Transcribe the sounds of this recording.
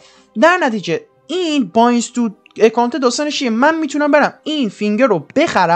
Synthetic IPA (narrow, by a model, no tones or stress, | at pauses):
d̪æɾnæt̪ʰiːd͡ʒe | iːnbɒinst̪ud̪ | ekʰɒːnt̪ʰed̪ɒːst̪ɒːneʃiemænmiːt̪ʰunæmbe̞ɾæmiːnfiŋɟeɾob̥e̞xæɾæ